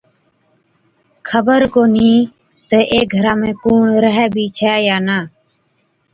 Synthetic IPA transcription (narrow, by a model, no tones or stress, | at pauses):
kʰəbəɾkoːn̤ĩː | t̪əʔeːɡʱəɾaːmẽːkuːɳɾəɦɛːbʱiːt͡ʃʰɛːjaːnaː